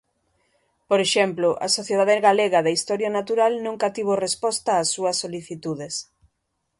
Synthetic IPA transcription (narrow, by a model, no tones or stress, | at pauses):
poɾeʃɛmplʊʔa̰soθjeð̞aðeɣaleɣaðaist̪ɔɾjanat̪uɾalnũŋkat̪iβ̞orespɔst̪aːsːuɐsːoliθit̪uðes